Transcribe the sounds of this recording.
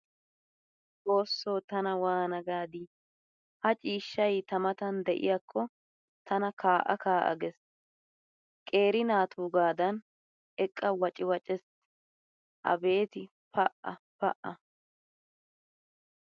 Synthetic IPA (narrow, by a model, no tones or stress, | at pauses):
ʔo̞ːsːoːt̪ɐnɐwaːnɐɡaːd̪i | hɐt͡ʃʼiːʃːɐjt̪ɐmɐt̪ɐnd̪ɛʔɪ̰jɐkʰːɔ | t̪ʰɐnɐkʰaːʔɐ̰kaːʔɐ̰ɡɛs | kʼe̞ːɾɪnaːt̪ʰuːɡaːd̪ɐn | ʔɛkʼːɐwɐt͡ʃʼɪwɐt͡ʃʼɛs | ʔɐ̰be̞ːt̪ɪ | pɐʔɐ̰pɐʔɐ